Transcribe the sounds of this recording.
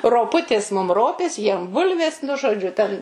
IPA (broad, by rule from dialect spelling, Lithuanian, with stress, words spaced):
roːˈpʊtʲeːs mʊm ˈroːpʲeːs jiɛm ˈbʊlʲʋʲeːs nʊ ʒoːˈd͡ʒʲʊ tʲɛn